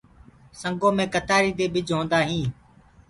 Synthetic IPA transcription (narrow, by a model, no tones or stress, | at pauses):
səŋɡoːmẽːkət̪aːɾiːd̪eːɓɪd͡ʒʱɦõːnd̪aːɦĩː